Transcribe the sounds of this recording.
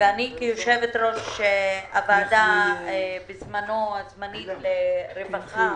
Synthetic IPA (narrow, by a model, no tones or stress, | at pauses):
veanikijoʃevet̪ɾoʃʃeavad̪aebizmanoazmanit̪leɾevaχa